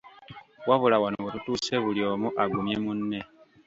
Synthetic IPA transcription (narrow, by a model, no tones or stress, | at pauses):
waβulawanowetutuːse̞βuljo̞ːmuʔaɡumje̞munːe̞